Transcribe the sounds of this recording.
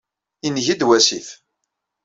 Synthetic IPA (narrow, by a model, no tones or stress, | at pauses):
inʝid̪wæsiθ